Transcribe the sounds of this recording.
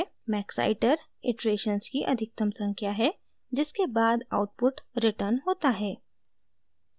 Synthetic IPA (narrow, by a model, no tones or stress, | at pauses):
mɛːksa̰ːɪʈəɾ | ɪʈɾeːʃənskiʔɐd̪ʱɪk̚t̪ɐ̃msə̃ŋkjaɦɛ | d͡ʒɪskebaːd̪aʊʈ̚pʊʈɾɪʈəɾnɦoːt̪aɦɛː